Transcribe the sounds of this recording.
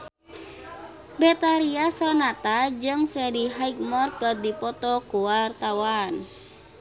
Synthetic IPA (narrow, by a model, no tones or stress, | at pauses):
bɛt̪aɾiasɔnat̪ad͡ʒɨŋfɾɛdiɦajkmɔrt̪̚kəd̪ipɔt̪ɔkuwart̪awan